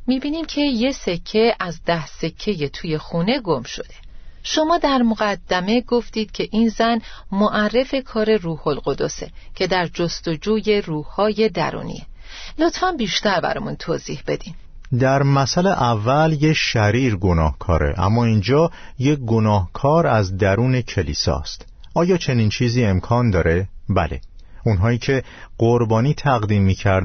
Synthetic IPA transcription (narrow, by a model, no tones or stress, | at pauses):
miːbiːniːmcʰe̞je̞se̞cʰːe̞æzd̪æhse̞cʰːe̞je̞t̪ʰuːje̞xuːne̞ɡomʃo̞̰d̪e̞ʃo̞mɒːd̪æɾmoɣæd̪̥ːæme̞ɡo̞ft̪iːd̪̥̚cʰe̞ʔiːnzænmoʔærːe̞fe̞kʰɒːɾe̞ruːho̞lɢo̞d̪ose̞̰cʰe̞d̪æɾd͡ʒost̪o̞d͡ʒuːje̞ruːhːɒːje̞d̪æ̰ɾṵːnḭe | lot̪fænbiːʃt̪æɾbæ̰ɾɒ̰ːmunt̪ʰoːziːhb̥e̞d̪im | d̪æɾmæsæleʔævːæljeʃæɾiːɾɡo̞nɒːhkʰɒːɾe̞̰ʔæ̰mːɒːind͡ʒɒːjeɡonɒːhkʰɒːɾæzd̪æɾuːne̞cʰe̞liːsɒ̰ːst̪ | ɒːjɒːt͡ʃʰe̞niːnt͡ʃʰiːziːe̞mkʰɒːnd̪ɒːɾe̞bæ̰le̞̰unɦɒːiːcʰe̞ | ɡɢoɾbɒːniːt̪ʰæɣd̪iːmːiːcʰæɾ